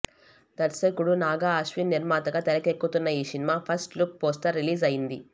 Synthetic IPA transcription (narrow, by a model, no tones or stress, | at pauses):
d̪̥ɐɾsɐkuɽunaːɡaːɐʃʋinːiɾmaːt̪ɐɡat̪ɛlɐkekːut̪unːɐiːsinimaːpʰɐsʈluk̚poːsʈ̪ɐɾːiliːzɐjind̪i